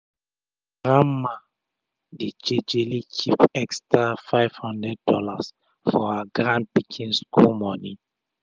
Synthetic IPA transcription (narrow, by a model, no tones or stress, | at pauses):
ɡɹãmːã | ded͡ʒed͡ʒelikʰipɛkstafaɪv̥hɔ̃ndɹɛd̚ːɔlas | fɔaɡɹãnd̚pikʰĩnskʰulmɔ̃ni